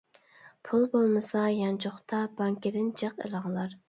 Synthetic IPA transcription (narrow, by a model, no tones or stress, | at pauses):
pʰulˠbolˠmɨsɑjɑnt͡ʃʰoχt̪ʰɑbɑŋkʲɪd̪ɪnd͡ʒəqḛlˠəʁlˠɑɾ